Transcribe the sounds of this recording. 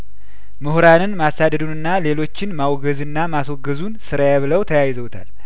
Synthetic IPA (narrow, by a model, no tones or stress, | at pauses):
mɨhɾanɨnmasːad̪əd̪unɨnːale̞lo̞t͡ʃːɪnmawɡəzɨnːamaswoɡəzunsɨɾajɛβɨləwt̪ʰəjajɪzəwt̪ʰa̰l